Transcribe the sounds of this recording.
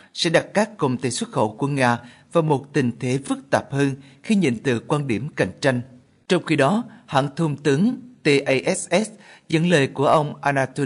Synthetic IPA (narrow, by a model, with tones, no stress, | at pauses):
sɛ̰˧˥ɗa˨˩t̚kaː˦˥kːo˨˩ŋ͡mt̪ḛ˧˩jswə˦˥t̚xo̰˧˩ku˧˩əŋaː˧vaː˨˩mo˨˩t̚t̪ï˨˩ŋ̟t̪ʰe˨˦fɨ˦˥k̚t̪aː˨˩p̚həː˧nxi˧ɲḭ˧˨nt̪ɨ̰˧˨kwaː˧nɗi˧˩əmka˨˧˩jŋ̟t͡ɕa˧jŋ̟ | t͡ɕɔ˧wŋ͡mxi˧ɗɔ˨˦ha̰ː˧˨nt̪ʰu˧ŋ͡mt̪ɨ˨˦əŋt̪e˧ʔə˧jʔɛ˦˥sʔɛ˦˥szə̰˧˥nləː˨˩jku˧˩əʔə˧wŋ͡mʔaː˧naː˧t̪o˧